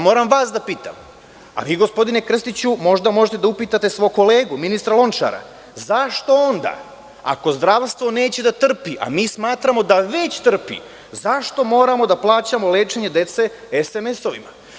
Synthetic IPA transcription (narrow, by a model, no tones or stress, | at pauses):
mo̞ːɾamʋaːsd̪apiːt̪a̰m | a̰ʋiːɡo̞spo̞d̪ine̞kr̩st̪it͡ɕumo̞ʒd̪amo̞ʒet̪e̞d̪aupiːt̪at̪e̞sʋo̞jko̞le̞ːɡuminist̪ɾalo̞nt͡ʃa̰ɾa̰ | zaʃt̪oo̞nd̪a̰ː | a̰ko̞zd̪ɾaʋst̪ʋo̞ne̞ːt͡ɕe̞d̪at̪r̩piʔa̰miːsmaːt̪ɾamo̞d̪aʋe̞t͡ɕt̪r̩pḭ | zaʃt̪o̞mo̞ːɾamo̞d̪aplˠaːt͡ɕamo̞leːt͡ʃe̞ɲe̞d̪e̞t̪se̞ | esemeso̞ʋima̰